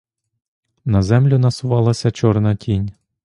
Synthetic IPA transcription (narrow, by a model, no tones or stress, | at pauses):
nɐzɛmlʲʊnɐsʊʋɑlˠɐsʲɐt͡ʃɔrnɐtʲinʲ